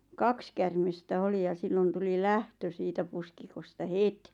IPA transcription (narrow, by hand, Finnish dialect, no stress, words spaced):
kɑks kærmestæ oli jɑ silːon tuli læhtø siːtæ puskikostɑ het